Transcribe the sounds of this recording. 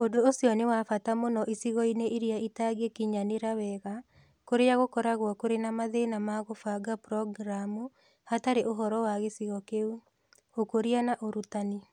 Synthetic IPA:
odoːsiɔnewafatamonɔʔisiɣɔineiɾiaitaɣekiɲaneɾawɛɣa | koɾeaɣokɔɾaɣwɔkoɾenamaðenamaɣofaɡapɾɔɡɾamu | hataɾeʔoɦɔɾɔwaɣesiɣɔkeu | okoɾianaʔoɾutani

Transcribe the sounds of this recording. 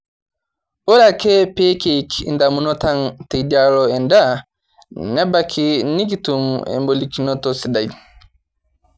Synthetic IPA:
ʔɔɾakɛpekekḭndamunɔtantedaɾɔɛnda | nɛbakʰiniɡitumɛ̰mbolikinɔtɔsidaj

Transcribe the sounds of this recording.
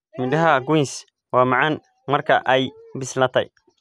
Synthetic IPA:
mɪdɐɦɐɡʊns | wɑːmɑʕɑn | mɐrkʰɐ̰ʔɛjbɪslɐt̪ʰɐ̰j

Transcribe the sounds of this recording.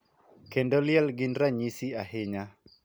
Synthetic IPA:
kendoljɛlɡɪnɾaɲisiahɪɲa

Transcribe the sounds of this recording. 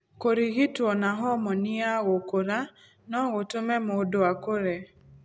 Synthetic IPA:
koɾiɣitwɔnaɦɔmɔnɪaɣokoɾa | nɔɣotʊmɛmodoakoɾe

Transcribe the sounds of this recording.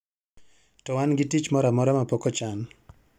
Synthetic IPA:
tɔwanɡitit͡ʃmɔɾamɔɾamapɔkɔt͡ʃan

